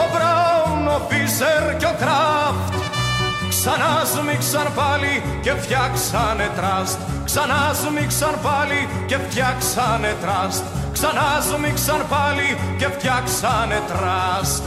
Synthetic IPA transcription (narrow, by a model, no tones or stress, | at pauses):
opɾɐwnopiseɾcokɾɐft̪ | ksɐnɐzumiksɐnpɐli | ce̞ft̪çɐksɐnet̪ɾɐst̪ | sɐnɐzumiksɐnpɐli | ce̞ft̪çɐksɐnet̪ɾɐst̪ | ksɐnɐzumiksɐnpɐlice̞ft̪çɐksɐnet̪ɾɐst̪